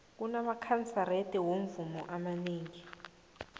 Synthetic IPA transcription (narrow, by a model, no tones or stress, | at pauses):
k̬unamakʰant͡saretʼiwoɱvumɔʔamaneːŋi